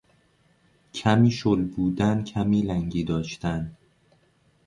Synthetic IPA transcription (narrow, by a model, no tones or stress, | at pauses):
cʰæmiːʃolbuːd̪æncʰæmiːlæŋɟiːd̪ɒːʃt̪æn